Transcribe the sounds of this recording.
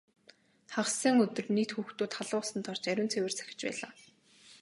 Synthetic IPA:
χaχsə̆ːŋɵt̪ɵ̆rnet̪xuːxt̪uːt̪χaɮʊːsə̆nt̪ʰɔrt͡ɕæɾʲʊːnt͡sʰewɘ̆r̥t͡sʰæ̥xʲɪ̥̆t͡ɕpæ̰ːɮaː

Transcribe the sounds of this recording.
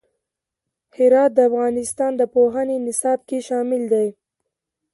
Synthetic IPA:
hɪɾɑt̪̚d̪əafɣɑnɪst̪ɑnd̪əpoɦənenɪsɑb̚keʃɑmɪld̪aj

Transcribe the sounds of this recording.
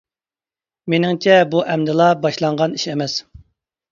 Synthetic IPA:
menɪŋt͡ʃʰɛbuʔɛmd̪ɨlˠɑbɑʃlˠɑɴʁɑniʃemɛs

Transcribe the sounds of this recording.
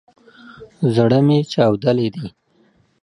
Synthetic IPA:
zɽəmet͡ʃɑwd̪əled̪i

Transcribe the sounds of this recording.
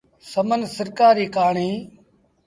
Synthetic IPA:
səmənsəɾkaːɾiːkaːɳiː

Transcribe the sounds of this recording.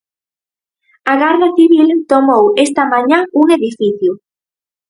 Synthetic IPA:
aɣaɾðɐθiβilt̪omowest̪ɐmãɲauŋeðifiθjʊ

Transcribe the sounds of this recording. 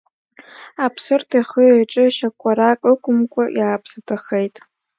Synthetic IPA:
apʰsɨrtʰaχəaʈ͡ʂʼɨʃakʷʰʼaɾakʷʼɨkʷʼʊmkʷʼajaːpʰsatʰaχejtʼ

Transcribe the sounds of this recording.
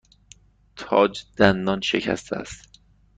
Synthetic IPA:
t̪ʰɒːd͡ʒd̪̥ænd̪ɒnʃḛcʰæ̰st̪ʰeæ̰st̪

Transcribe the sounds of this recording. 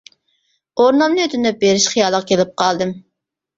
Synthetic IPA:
oɾnɑmnɨøt̪ʰɪnɛp̚beɾɪʃχijɑːlˠəqkʲʰelɪp̚qʰɑlˠd̪ɨm

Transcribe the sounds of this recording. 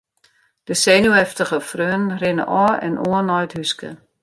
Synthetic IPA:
d̥əsenuɛftəχəfrøənrɪnə̰ʔɔːɛ̰nʔuənɑjtɦyskə̰

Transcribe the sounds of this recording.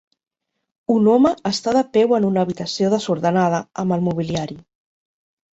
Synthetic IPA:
unɔməəst̪aðəpɛwənunəβit̪əsioð̞əzuɾðənaðəəmbəlˠmuβ̞iliaɾi

